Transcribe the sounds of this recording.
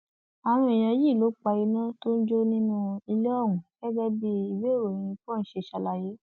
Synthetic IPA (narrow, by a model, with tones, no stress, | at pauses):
a˨ɾ̃ũ˧˦i˨j̃ã˧˦ji˦˨lo˨˦k͡pa˧i˧nã˦to˦n̩˦d͡ʒo˦nĩ˦nũ˧i˧le˦ɔ˦˨wũ˨ɡ̥ɛ˦ɡɛ˦bi˦i˨we˦˨ɾo˨ɾĩ˧i˧fɔ̃˦˨n̩˦ʃe˧˨ʃa˧la˧˨je˦